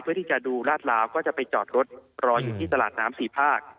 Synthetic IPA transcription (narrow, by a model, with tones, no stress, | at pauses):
pʰɯ˥˩iː˥˩t͡ɕa˨˩duː˧laː˥˩t̪̚laː˦˥wkɔː˥˩t͡ɕa˨˩pa˧jt͡ɕɔ̰ː˨˩t̪̚ɾo˦˥t̪̚ɾɔː˧juː˨˩t̪ʰiː˥˩t̪a˧la̰ː˨˩t̪̚naː˦˥msiː˨˩pʰaː˥˩k̚